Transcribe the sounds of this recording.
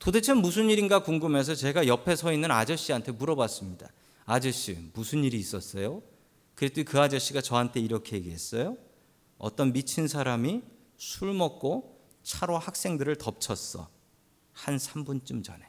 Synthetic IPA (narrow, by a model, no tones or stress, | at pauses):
todet͡ɕʰenmusʰɯniɾinɡakuŋɡɯme̞s̬ʰʌt͡ɕe̞ɡajʌpʰe̞sʰʌinːɯnad͡ʑʌɕ͈iɦantʰe̞muɾʌbas͈ɯmɲida | ad͡ʑʌɕ͈ḭmusʰɯniɾiːs͈ʌs͈ʌjo | kɯɾet͈uikɯad͡ʑʌɕ͈iɡat͡ɕʌɦantʰe̞iɾʌkʰe̞jeɡiɦe̞s͈ʌjo | ʌ̰t͈ʌnmit͡ɕʰinsʰaɾami | sʰuɭmʌk̚k͈o | t͡ɕʰaɾohak̚s͈e̞ŋdɯɾɯɭtʌp̚t͡ɕʰʌs͈ʌ̰ | hansʰambunt͡ɕ͈umd͡ʑʌ̰ne̞